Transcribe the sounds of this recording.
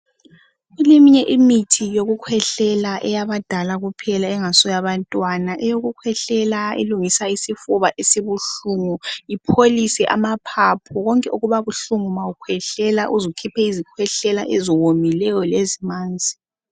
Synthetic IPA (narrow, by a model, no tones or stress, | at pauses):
ɣulemiɲɛʔimitʰijoɣukʰwɛɬɛlaʔɛjaβad̥ʱalaɣupʰɛlaɛŋasɔjaβantʼwanaʔɛjoɣukʰwɛɬɛlaḛluŋisaisifuβaʔesiβuɬuŋuipʰolisɛʔa̰mapʰapʰɔɣɔŋkʼɛʔuɣuβaβuɬuŋumaukʰwɛɬɛlaʔuzukʰipʰɛizikʰwɛɬɛlaʔezɔwomilɛjɔlezimaːnd͡zʱi